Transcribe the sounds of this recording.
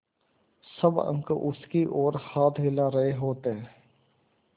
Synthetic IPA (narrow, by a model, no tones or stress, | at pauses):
sɐbə̰̃ŋkəʔʊskiʔɔːɾhaːt̪ɦɪlaɾɐɦeɦoːt̪eɦɛ̃ː